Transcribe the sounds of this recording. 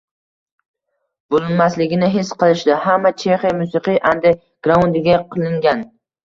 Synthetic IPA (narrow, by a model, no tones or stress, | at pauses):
b̥olˠɪnmaslɪɡʲɪnɪɦɪsqʰɨlˠɪʃd̪ɪhamːat͡ʃʰeχjmʊsɨqɨʔand̪ɪ | ɡ̥ɾaund̪ɪɡʲaqʰɨlˠɪŋɡʲan